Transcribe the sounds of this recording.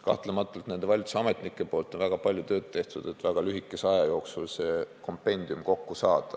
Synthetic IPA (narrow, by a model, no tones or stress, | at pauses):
kɑ̰ht̪lemɑt̪ːˑult̪ne̞nd̪e̞vɑlʲt̪seɑme̞t̪nikːˑe̞po̞ːlt̪ːˑo̞nvæɡ̥ɑpɑlʲjut̪ø̞ːd̪̚t̪e̞ht̪ud̪̥e̞t̪ːvæɡ̥ɑlyɦikːˑe̞seɑjɑjo̞ːksulse̞ːko̞mpe̞nʲd̪̥iumko̞kːusɑːd̪̥ɑ